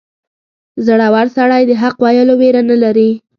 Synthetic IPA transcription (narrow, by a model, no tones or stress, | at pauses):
zəɽawaɾsaɽajd̪əɦaqwajəloweɾanalaɾi